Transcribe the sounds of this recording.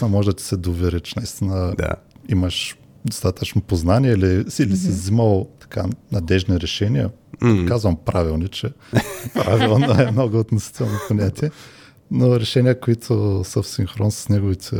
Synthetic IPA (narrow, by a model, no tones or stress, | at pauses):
inəmɔʒɛd̪ɐt̪i̥sɛd̪ovɛɾɛt͡ʃɛnɐist̪inəd̪a̰iməʃ | d̪ost̪at̪ət͡ʃnopoznanʲiɛiliilisivziməlˠt̪ɐ̥ka̰nɐd̪ɛʒniɾɛʃɛniə̰ | kazvəmpɾavilˠnit͡ʃɛpɾavilˠnoɛmnoɡʊot̪nosi̥t̪ɛlˠnoponʲat̪ʰiɛ | noɾɛʃɛnʲiəkoit̪ʰʊsəfsiŋxɾɔnsɐ̥snʲɛɡovit̪ʰɛ